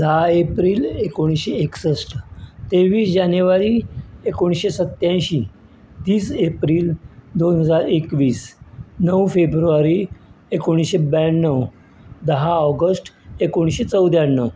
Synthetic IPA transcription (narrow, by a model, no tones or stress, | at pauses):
d̪əɦaepɾiːlekoɽ̃isɕeeksəsʈt̪eʋiːsd͡ʑanjəʋaɾiːekoɳ̃ɕesət̪ːjãjɕiː | t̪iːsepɾiːld̪onɦəd͡zaɾekʋiːsnəwfebɾuʋaɾiekoɽ̃isɕebajnːəw | d̪əɦaɔɡəsʈekoɽ̃ɕet͡səwd̪janːəw